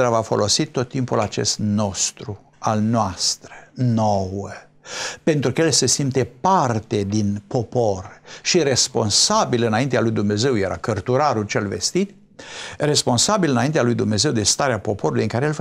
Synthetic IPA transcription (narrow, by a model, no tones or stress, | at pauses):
ɾavafo̞̰lo̞sit̪ːo̞t̪ːimpulat͡ʃe̞̰st̪no̞st̪ɾu | alnoast̪ɾənowə | pe̞nt̪ɾukəelsesimpt̪epart̪e̞d̪inpo̞po̞rʃire̞spo̞̰nsabilɨnaint̪ealujd̪umne̞ze̞wje̞ɾʔa̰kərt̪uɾaɾult͡ʃelvḛst̪it̪ | re̞spo̞nsabilɨnaint̪ealujd̪umne̞ze̞wd̪e̞st̪aɾeapo̞po̞ɾulujɨŋkaɾeel